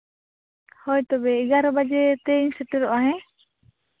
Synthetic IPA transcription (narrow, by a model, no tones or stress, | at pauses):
hɔjt̪ɔbɛiɡaɾɔbad͡ʒɛt̪ɛinsɛʈɛɾɔʔaɦɛ̃